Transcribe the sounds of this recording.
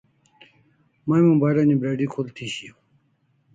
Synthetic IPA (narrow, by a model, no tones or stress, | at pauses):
mãːmũbaːɾaːnibɾeːɖiːkʰoːlt̪ʰiːɕi